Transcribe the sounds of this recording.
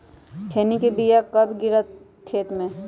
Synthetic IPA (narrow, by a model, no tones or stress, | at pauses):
ʈʰeːnikibijakɐbʱɡɪɾa | t̪ʰeːt̪mẽ